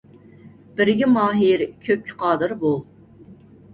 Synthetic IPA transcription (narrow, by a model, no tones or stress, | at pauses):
b̥ɪɾɡʲimɑːɦiɾkʲʰøp̚kʲʰɪ̥qʰɑːd̪ɨɾbolˠ